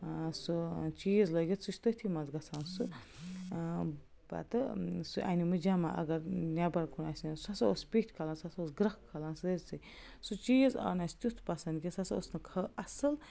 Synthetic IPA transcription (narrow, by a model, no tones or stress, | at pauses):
sut͡ʃiːzləɡʲit͡sut͡ʃʰʲt̪ɨt̪ʰimɐzɡɐt͡sʰaːnsu | ba̰t̪ɨsuʔa̰nimɨd͡ʒama̰ʔɐ̰ɡɐɾnʲabɐɾkʰunaːsʲnisɐsɐospʲitʲʰkʰɐlaːnsɐsɐosɡɾɐkkʰːɐlaːnsəɾʲt͡sɨ | sut͡ʃiːzɐ̰nasʲt̪ʲut̪ʰpɐsɐnd̪ɡʲisɐso̰snɨkʰɐʔɐsɨl